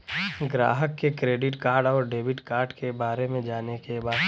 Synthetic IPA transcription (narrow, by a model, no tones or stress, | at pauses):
ɡɾa̰ːɦəkːekɾeːɖɪʈkaːɾɖɔːɾɖeːʋɪʈkaːɾɖkebaːɾemẽd͡ʒaːnekebaːd̪